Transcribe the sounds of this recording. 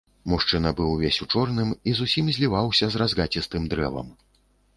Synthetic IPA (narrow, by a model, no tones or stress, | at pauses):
muʂt͡ʂɨnɐbɨwvʲesʲut͡ʂɔrnɨmizusʲimzʲlʲivawsʲɐzrazɣat͡sʲist̪ɨmd̪ɾɛvɐ̰m